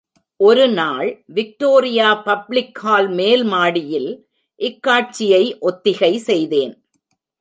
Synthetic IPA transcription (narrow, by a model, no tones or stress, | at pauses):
ʔɔɾɯnaːɭʋɪk̚ʈoːɾɪjaːpɐblɪkhaːlmeːlmaːɽɪjɪl | ʔɪkːaːʈ̚t͡ʃɪjɐɪʔɔt̪ːɪɣɐɪsɛjðeːn